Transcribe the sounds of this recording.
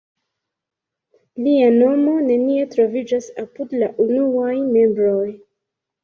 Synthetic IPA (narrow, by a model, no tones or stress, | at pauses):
liano̞mo̞ne̞nie̞tɾo̞vid͡ʒasapudlaʔunuajme̞mbɾo̞j